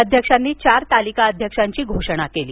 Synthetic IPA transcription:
əd̪ʱjəkʂanːiːt͡ɕaɾt̪alikaəd̪ʱjəkʂaɲt͡ɕiːɡʱoʂəɽ̃akelḭː

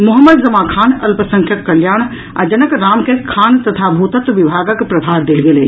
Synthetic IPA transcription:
mʊɦəmːəd̪zɐmakʰaːnɐlpəsə̃ŋkʰjəkːɐljaːɽ̃ | a̰d͡ʒənəkɾaːmkekʰːaːnt̪ət̪ʰabʱut̪ət̪ʋibʱaːɡəkpɾɐbʱaɾd̪eːlɡelɛ

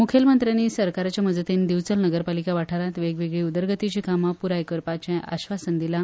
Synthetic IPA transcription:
mukʰelmənt̪ɾjaniːsəɾkaɾat͡ɕjaməd͡zət̪end̪iʋt͡səlnəɡəɾpalikaʋaʈʰaɾat̪ʋeɡʋeɡɭiːud̪əɾɡət̪it͡ɕikamapuɾajkəɾpat͡ɕɛ̃ʔa̰ɕʋasənd̪ila

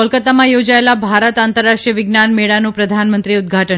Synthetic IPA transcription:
ɔlkət̪amãjod͡ʒaelabʱaɾət̪ant̪əɾːaʂʈɾijəʋɪɡnanmeɭanũpɾəd̪ʱanmənt̪ɾiud̪ɡʱaʈə

